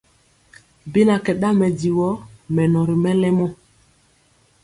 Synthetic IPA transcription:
bi˦na˨kɛ˨ɗa˦mɛ˨di˨wɔ˦mɛ˨nɔ˨ɾi˨mɛ˦lɛ˦mɔ˦

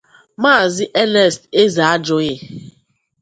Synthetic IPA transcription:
maː˦˨zɪ˦ʔɛ˦nɛ˦˨ste˦za˨a˦d͡ʒʊ˦ɣe˦

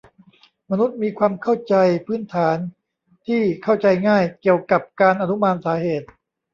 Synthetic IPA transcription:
ma˧nu˦˥t̪̚miː˧kʰwaː˧mkʰa˥˩wt͡ɕa˧jpʰɯː˦˥nt̪ʰaː˩˦n | t̪ʰiː˥˩kʰa˥˩wt͡ɕa˧jŋaː˥˩jki˨˩əwka˨˩p̚kaː˧nʔa˧nu˦˥maː˧nsaː˩˦heː˨˩t̪̚

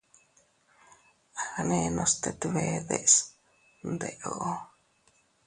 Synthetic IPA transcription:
ane˧no˧st̪et̪βe˧ðeʔs | nd̪e˨ʔoʔo˦

